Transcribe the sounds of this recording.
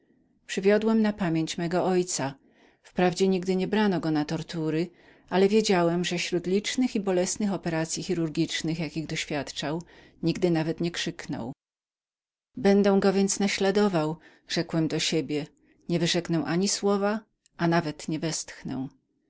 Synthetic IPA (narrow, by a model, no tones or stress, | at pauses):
pʂɘvʲjɔd̪wɛmnapamʲjeɲt͡ɕmɛɡɔɔjt̪sa | fpɾavd͡ʑɛɲiɡd̪ɘɲɛbɾanɔɡɔnat̪ɔɾt̪uɾɘ | ʔalɛvʲjed͡ʑawɛmʐɛɕɾut̪lʲit͡ʂnɘxibɔlɛsnɘxɔpɛɾat̪sʲjixʲiɾuɾɡʲit͡ʂnɘxjakʲiɣd̪ɔɕfʲjat̪t͡ʂaw | ɲiɡd̪ɘnavɛt̪ɲɛkʂɘknɔ̰w | bɛnd̪ɛw̃ɡɔvʲjɛnt̪snaɕlad̪ɔvaw | ʐ̥ɛkwɛmd̪ɔɕebʲjɛ | ɲɛvɘʐɛknɛw̃ʔaɲiswɔva | ʔanavɛt̪ɲɛvɛst̪xnɛ̰w̃